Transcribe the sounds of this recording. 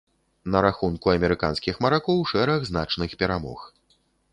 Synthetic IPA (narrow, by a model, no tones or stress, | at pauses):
nɐɾaxunkuɐmʲɛɾɨka̰nskʲixmɐɾakɔwʂɛɾɐɣznat͡ʂnɨxpʲɛɾamɔ̰x